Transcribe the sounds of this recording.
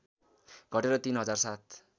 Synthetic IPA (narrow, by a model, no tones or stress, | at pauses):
ɡʱʌʈeɾʌt̪inɦʌd͡zarsat̪̚ʰ